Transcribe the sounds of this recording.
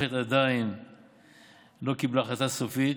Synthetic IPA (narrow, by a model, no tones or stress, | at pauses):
et̪ad̪ain | lo̞kiblaχatasofit̪